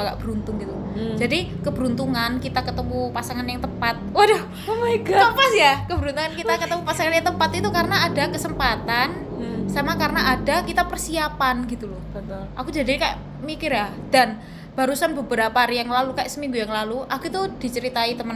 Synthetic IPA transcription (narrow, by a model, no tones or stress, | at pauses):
ɡaʔb̥əɾunt̪ʊŋɡit̪u | d͡ʒadikəbəɾunt̪uŋankit̪akət̪əmupasaŋanjaŋt̪əpat̪̚da | meɡaəpasjakəbəɾunt̪uŋankit̪akət̪əmupasaŋanjaŋt̪əmpat̪it̪ukarənaːdakəsəmpat̪an | samakaɾənaʔadakit̪apərsiapanɡit̪ulɔhbət̪ʊlʔakud͡ʒadika̰ʔ | mikɪrja | d̥an | b̥aɾusanbəbəɾapaɾijaŋlalukaʔsəmiŋɡujaŋlaluʔakut̪ud̥i̤t͡ʃəɾit̪ait̪əmən